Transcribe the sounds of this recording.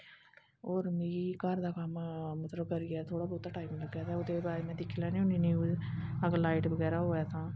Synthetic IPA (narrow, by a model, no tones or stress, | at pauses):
oːɾmeːiːkəɾd̪aːkəmmət̪ləb̚kəɾiɡaːt̪ʰoːɽaːbɔːt̪aːʈaːimləɡaːt̪aːʊd̪ebaːɾemɛ̃ːd̪ɪkʰːilaːnĩʊniːnjuːzəɡlaːɪʈbəɡɛːɾaːɦoːɛːt̪ʰãː